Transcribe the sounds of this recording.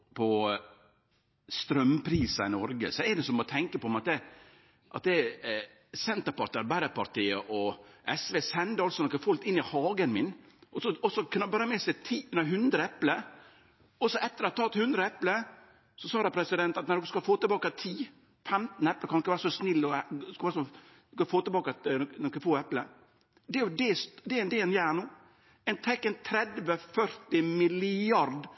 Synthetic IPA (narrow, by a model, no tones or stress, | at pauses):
pʰɔ | st̪ɾœmpʰɾiːsɑɪnɔɾɡə̰sɔɛd̪ɛsɔmɔt̪ʰɛŋkəpɔmɑt̪̚d̪ɛ | ʔɑ̰t̪̚d̪ɛ | sɛnt̪əɾpɑɾt̪iɑɾbæɾəpɑɾt̪iːəʔɔʔɛsʋeːsɛnd̪əɾɑlsɔnɔkːəfɔlkt̪ɪnːɪhɑːɡənmɪn | ʔɔsɔɔsɔknbɑɾmɛsɛɪt̪ʰiːʉnəɦʉnd̪ɾəɛpləɾ | ɔsɔʔɛt̪ːəɾɑt̪ʰːɑːt̪hʉnd̪ɾəɛplə | sɔsɑːdɾɑpʰɾɛsɪd̪ɛnt̪ɑt̪nɛɾɔkːskɑfoːt̪əbɑːkɑt̪ʰiː | fɛmt̪n̩ɛpləkʰɑnd̪ɔkːəʋæːɾsɔsnɪlːɔskɑʋæːɾsɔ | kɑfoːt̪əbɑːkt̪nɔkːəfoːɛplə̰ɾ | d̪ɛd̪ɛsd̪ɛnd̪eɛnjæːɳuː | ɛnt̪ʰɛkːɛnt̪ʰɾɛd̪ʋəfœɾt̪ɪmɪlɪɑɾd̪